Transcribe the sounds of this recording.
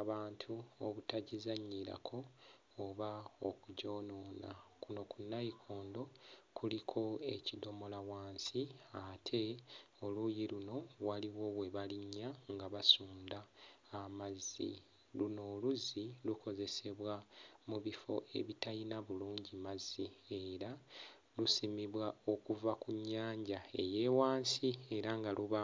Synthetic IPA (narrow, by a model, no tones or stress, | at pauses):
aβaːntʰuoβutaɟizaɲːiɾa̰kʰo̞ː | βao̞kuɟo̞ːno̞ːna̰kuno̞kunːajikʰo̞ːndo̞kʰulikʰo̞e̞̰cido̞mo̞lawaːnsiatʰe̞ | o̞lujiluno̞waliwo̞we̞βaliɲːaŋɡaβasuːndaːmazḭ | luno̞ːluzilukʰo̞ze̞se̞βwamuβifo̞̰ʔe̞̰βitajinaβuluːɲɟimazie̞ɾa | lusimiβwao̞kuvakuɲːaːɲɟae̞̰je̞ːwaːnsie̞ɾaŋɡaluβa